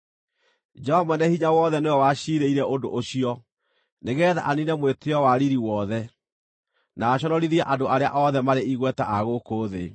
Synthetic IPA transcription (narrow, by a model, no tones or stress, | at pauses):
d͡ʒɛɔmwɛnɛhiɲawɔðɛneɔwaɕiɾeiɾɛʔondo̰ʔoɕiɔ | neɣɛða̰ʔaninɛmweteɔwaɾiɾiwɔːðɛ | naːɕ̬ɔnɔɾiðiɛʔadoʔaɾea̰ʔɔðɛmaɾeiɣwɛtaʔaɣokoːðe